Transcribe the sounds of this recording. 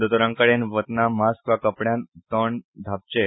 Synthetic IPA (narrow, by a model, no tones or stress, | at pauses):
d̪ot̪oɾãŋkəɽenʋət̪namaskʋakəpɽjãnt̪əɳd̪ʱap̚t͡ɕe